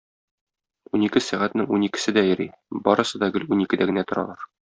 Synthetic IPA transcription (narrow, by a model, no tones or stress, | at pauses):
unikɘsæʁæt̪nɘŋunikɘ̆sɘd̪æjɘ̆ɾibɒ̰ɾɤ̆sɤd̪ɒɡɘlunikɘd̪æɡɘ̆næt̪ŏɾɑ̰lˠɑɾ